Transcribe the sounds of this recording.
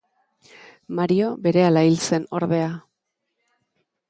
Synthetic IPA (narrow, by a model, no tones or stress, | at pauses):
maɾio̞be̞ɾe̞alailt͡se̞no̞̰ɾðe̞a